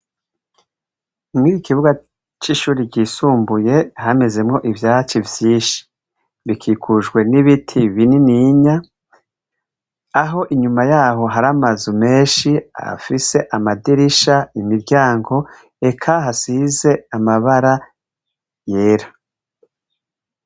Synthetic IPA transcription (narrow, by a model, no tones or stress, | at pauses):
mwiikiβuɡa | t͡ʃiʃuːɾiɟiːsuːmbuje̞hame̞ze̞mŋo̞ʔivjaːt͡ʃivjiːʃi̥ | βikʰiːkʰuʒɡwe̞niβitʰiβininiɲa | ɦo̞ʔiɲumajaːɦo̞ɦaɾamazume̞ːʃia̰fise̞ʔamadiɾiʃaimiɾɟaːŋɡo̞ | e̞kʰaɦasize̞amaβaɾa | je̞ːɾḁ